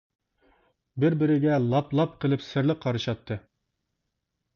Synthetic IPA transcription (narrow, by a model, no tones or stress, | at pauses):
bɪɾbɪɾɪɡʲɛlˠɑplˠɑp̚qʰəlˠɨpsɪɾlɪqʰːɑɾɨʃɑt̪ʰːɨ